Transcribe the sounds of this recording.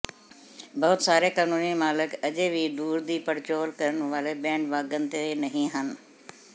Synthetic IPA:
bɐɦʊt̪saːɾekaːnuːnimaːlɪkɐʄeʋid̪uːɾd̪iːpɐɾt͡ɕoːlkɐɾəñʋaːɾebɛ̃ːɳɖʋaːɡənɪt̪enɐɦĩɦənɪ̆

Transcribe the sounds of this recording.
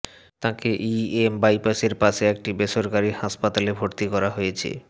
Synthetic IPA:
t̪ãkeʔiembajpaʃeɾpaʃeɛk̚ʈibeʃoɾkaɾihaʃpat̪alebʱoɾt̪ikɔɾaɦojet͡ɕʰḛ

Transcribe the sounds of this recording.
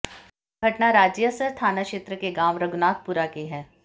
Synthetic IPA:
ɡʱɐʈnaɾaːd͡ʒjəsəɾst̪ʰaːnakʃeːt̪ɾəkeɡaːmɾɐɡʊnaːt̪̚puɾakeɦɛː

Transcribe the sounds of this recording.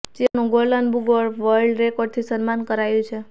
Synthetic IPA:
d͡ʒenũɡolənbuɡʋəɭʋəɭɖɾekoɖ̚t̪ʰisənmankəɾajũt͡ʃʰe

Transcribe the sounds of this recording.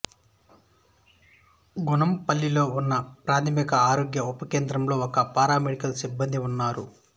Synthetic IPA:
ɡunɐmpɐlːilo̞ːunːɐpɾaːt̪ʰɐmikɐaːɾo̞ːɡjɐupɐke̞ːnd̪ɾɐmlo̞ːɔkɐpaːɾaːmeɽikɐlɐsibːɐnd̪iunːaːɾṵ

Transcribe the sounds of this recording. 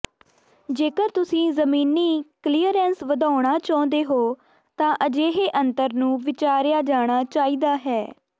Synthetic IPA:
d͡ʒeːkəɾt̪ʊsĩːzəmiːniːkliːəɾɛːnsʋəd̪aːʊɽ̃aːt͡ʃɔ̃ːnd̪eːɦoː | t̪ãːʔəd͡ʒeːɦeːʔənt̪əɾnũːʋɪt͡ʃaːɾjaːd͡ʒaːɽ̃aːt͡ʃaːiːd̪aːɦɛː

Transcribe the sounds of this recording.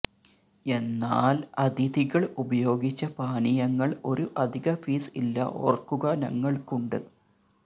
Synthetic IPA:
e̞nːaːlɐd̪id̪iɣɐɭubɐjo̞ːɡit͡ɕːɐpaːnijɐŋːɐɭo̞ɾuʔɐd̪ʱiɣɐfiːsilːɐ̰ʔo̞̰ːrkːuɣɐnɐ̰ŋːɐɭkuɳɖɨ

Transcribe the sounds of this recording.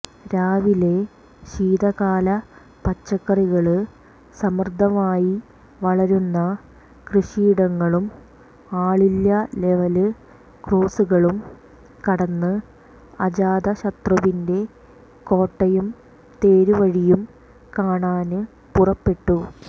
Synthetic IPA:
ɾaːʋile̞ | ɕiːd̪ɐɣaːlɐ | pɐt͡ɕːɐkːɐriɣɐɭɨ | sɐmrd̪ʱːɐmaːji | ʋɐɭɐɾunːɐ | krɨɕiːɽɐŋːɐɭum | aːɭilːɐle̞ʋɐlɨ | kroːsuɣɐɭum | kɐɽɐnːɨ | ɐd͡ʑaːd̪ɐɕɐt̪rɐʋinde̞ | ko̞ːʈːɐjum | t̪e̞ːɾuʋɐɻijum | kaːɳaːnɨ | purɐpːe̞ʈːu

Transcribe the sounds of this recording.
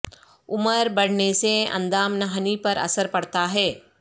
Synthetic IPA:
ʊməɾbɐɽ̤neseɐ̰̃nd̪aːmnɐɦənipɐɾɐ̰səɾpɐɽt̪aɦɛː

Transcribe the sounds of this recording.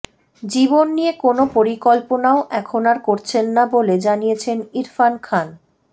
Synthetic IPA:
d͡ʑibonːiekonopoɾikɔlponaoʔɛkʰonaɾkoɾt͡ɕʰenːaboled͡ʑanijet͡ɕʰeniɾfankʰan

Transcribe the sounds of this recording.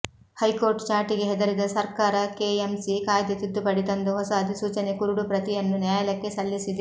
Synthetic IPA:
hɐjko̞ːɾʈt͡ʃaːɾʈiɡeɦɛd̪ɐɾid̪ɐsɐɾkaːɾɐkeːemsikaːjd̪jɐt̪id̪ːupɐɽit̪ɐnd̪uɦɔsaːɐd̪isuːt͡ʃɐnekuɾuɽupɾɐt̪ijɐnːunjaːjɐlɐkːesɐlːisid̪

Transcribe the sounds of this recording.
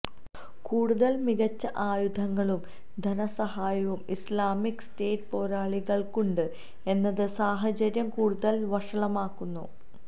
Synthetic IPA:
kuːɽuðɐlmiɣɐt͡ɕːɐʔaːjud̪ʱɐŋːɐɭum | d̪ʱɐnɐsɐɦaːjɐʋumislaːmikːɨ̥ste̞ːʈːpo̞ːɾaːɭiɣɐɭkuɳɖɨ | e̞nːɐðɨsaːɦɐt͡ɕɐɾjɐmkuːɽuðɐlʋɐʂɐɭɐmaːkːunːṵ

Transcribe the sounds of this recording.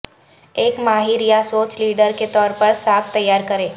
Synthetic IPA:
eːkmaːɦiɾijasoːt͡ʃliːɖəɾket̪ɔːɾpɐɾsaːkt̪ɐjːaːɾkɐɾẽː

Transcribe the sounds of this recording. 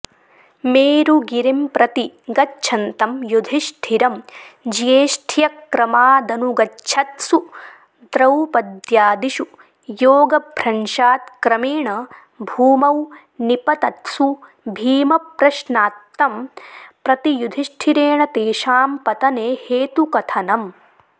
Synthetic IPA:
meːɾuɡiɾimpɾɐt̪iɡɐtːt͡ʃʃʰɐnt̪ɐmjud̪ʱiʃʈʰiɾɐmd͡ʒijeːʃʈʰijɐkɾɐmaːd̪ɐnuɡɐʃʰɐt̪su | d̪ɾɐwpɐd̪jaːd̪iʃu | joːɡɐbʱɾɐnʃaːt̪kɾɐmiːɳɐ | bʱuːmɐw | nipɐt̪ɐt̪su | bʱiːmɐpɾɐʃnaːt̪ːɐmpɾɐt̪ijud̪ʱiʃʈʰiɾeːɳɐt̪eːʃaːmpɐt̪ɐneːheːt̪ukɐt̪ʰɐnɐm

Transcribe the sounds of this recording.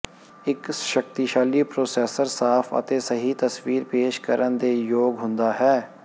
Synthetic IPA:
ɪkʃək̚t̪iʃaːliːpɾoːsɛːsəɾsaːpʰə̰t̪eːsəɦiːt̪əsʋiːɾpeːʃkəɾənd̪eːjoːɡɦʊ̃nd̪aːɦɛː

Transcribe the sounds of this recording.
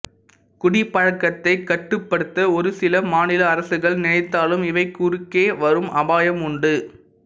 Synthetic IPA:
kʊɽipːɐɻɐkːɐt̪ːɐɪkːɐʈːɯpːɐɽɯt̪ːɐɔɾɯsɪlɐmaːnɪlɐːɾɐsɯɣɐɭnɪnɐɪt̪ːaːlɯmɪʋɐɪkːʊɾɯkːeːʋɐɾɯmʔɐbaːjɐmʊɳɖɯ

